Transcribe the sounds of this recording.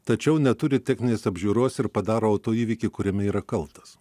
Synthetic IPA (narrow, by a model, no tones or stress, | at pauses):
t̪ɐt͡ʃʲɛʊnʲɛt̪ʊɾʲɪt̪ʲɛxʲnʲɪnʲeːsɐbʲʒʲuːɾoːsɪɾpɐd̪ɑːɾoːɐːt̪oːiːʋʲiːkʲɪkʊɾʲɛmʲɛiːɾɐkɐlˠt̪ɐ̥s